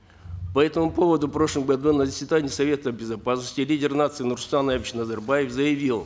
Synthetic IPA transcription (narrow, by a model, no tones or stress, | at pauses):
pɐɛt̪əmʊpo̞vəd̪ʊpɾo̞ʂlˠɨmɡɐd̪unəzəsʲvʲɪd̪anʲɪəsɐvʲe̞t̪əbʲɪzɐpasnəsʲtʲɪlʲidʲɪrnat̪sɨɪnʊrst̪anavʲɪt͡ɕnəzərbajɪfzəjɪvʲilˠ